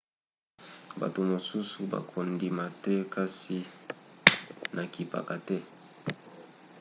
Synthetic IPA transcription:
ba̰˨to˨mo˨su˦su˨ba̰˨kʰo˨ndi˨ma˨tɛ˦ka˦si˦ | nʔa˨ki˨pa̰˨ka˨tɛ˦

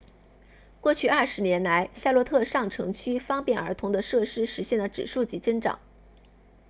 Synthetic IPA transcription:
kwɔ˥˧t͡ɕʰy˥˧ɐ˞˥˩ʂɻ̩˧˥njɛ˧˥nla˧˥ɪɕja˥˧lwɔ˥˧t̪ʰɤ˥˧ʂɑ˥˩ŋʈ͡ʂʰɤ˧˥ŋt͡ɕʰy˥fɑ˥ŋpjɛ˥˩nə˞˧˥t̪ʰʊ˧˥ŋd̪ə˧ʂɤ˥˧ʂɻ̩˥˩ʂɻ̩˧˥ɕjɛ˥˩nlə˨˩ʈ͡ʂɻ̩˨˩ʂu˥˩t͡ɕi˧˥t͡sə˥ŋʈ͡ʂɑ̰˨˩˦ŋ

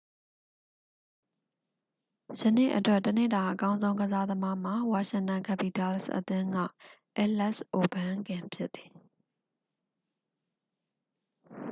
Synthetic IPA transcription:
sə˨nḛ˦˨ʔətwɛ˦˨tːənḛ˦˨d̪a˨ʔəkã˦ʊ̃nzõ˦ʊ̃ɡəza˦d̪əma˦m̥a˨wa˨ʃɪ̃˦˨ntã˨ŋkʰɛ˨pi˨tɛ˨lsʔə̰t̪ɪ̃˦ŋɡa̰˦˨ʔɛ˦lɛ˦ʔsʔo˨bã˦ɡɪ̃˨mpʰjɪ˦t̪ːi˨

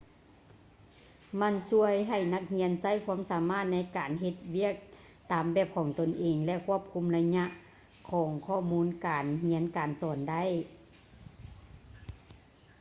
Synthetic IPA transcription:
ma˧˥˨nsu˧˥əjɦa˨˩jna˧k̚hi˧˥ənsa˧˥˩jkʰwu˧˥ə˨msaː˨˩˦maː˧˥˨t̪̚na˧˥jkaː˨˩nɦe˧t̪̚wi˧˥˩ək̚ | t̪aː˨˩mbɛː˧˩p̚kʰɔː˨˩ŋt̪o˨˩nʔeː˨ŋlɛ˧kʰu˧˥˩əp̚kʰu˧˥˨mla˧ɲa˧ʔ | kʰɔː˨˩˦ŋkʰɔː˧˩muː˧˥nkaː˨˩nhi˧˥ənkaː˨˩nsɔː˨˩nda˧˥˨j

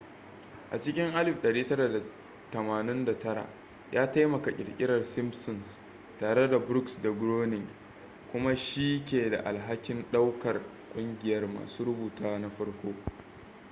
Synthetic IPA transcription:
ʔa̰˨t͡ʃɪ˦kʲɪ˦ŋʔa˦lɪ˨ɸɗɐ˨ɽiː˦tɐ˦ɾa˨da˨ | tɐ˨maː˨nɪ˦nda˨tɐ˦ɽa̰˨ | jaː˦ta˦jmɐ˨ka˨kʲʼɪ̰˨lkʲʼɪ˦ɽɐ˨rsɪ˦msʊ˨ns | taː˨ɽe˦da˨bɾʊ˦ksda˨ɡɾoː˦nɪ˨ŋ | kʷʊ˦ma˦ʃi˦kʲeː˨da̰˨ʔa˨lɦa˦kʲɪ˦nɗa˦wkɐ˨r | kʷʼʊ˦ŋɡʲɪ˨jɐ˦rma̰ː˨suː˦ɽʊ˦buː˨taː˦na˦ɸɐ˦ɽkʷoː˦

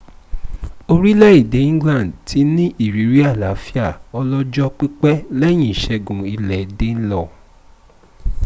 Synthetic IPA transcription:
o˧ɾi˦lɛ˦i˦˨de˨˦ĩ˦ɡlã˦˨n˨dtʰi˨˦nĩ˦ʔi˦˨ɾi˨˦ɾi˦a˦˨la˨˦fi˦a˦˨ɔ˧lɔ˦d͡ʒɔ˦k͡pi˦k͡pɛ˦lɛ˦˨j̃ĩ˦˨i˨ʃɛ˧ɡũ˨i˧lɛ˨de˦n̩˦lɔ˧˨

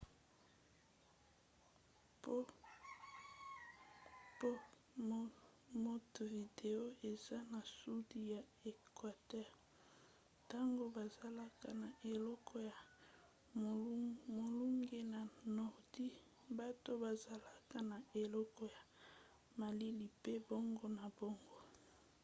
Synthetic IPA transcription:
po˦ | po˦ | mo˦tvi˨de˨o˦e˨za˦na˨su˦di˦ja˨ | e˨kwa˨tɛ˦ʁ | ta˦ŋɡo˦ba˨za˨la˦ka˦˨na˨ʔe˨lɔ˦kʰɔ˦ja˨˦ | mo˨lu˦ŋɡe˦na˨nɔ˨ʁdi˦ | ba˦to˦ba˨za˨la˦ka˦na˨e˨lɔ˦kɔ˦ja˨ | ma˨li˦li˨pe˦bo˦ŋɡo˦na˨bo˦ŋɡo˦

